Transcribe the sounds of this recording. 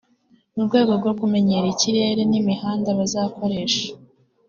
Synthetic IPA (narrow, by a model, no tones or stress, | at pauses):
nubɡwe̞ːɡo̞b̚ɡo̞kume̞ɲe̞ɾiciɾe̞ːɾenimihaːndaβazaːko̞ɾe̞ːʃḁ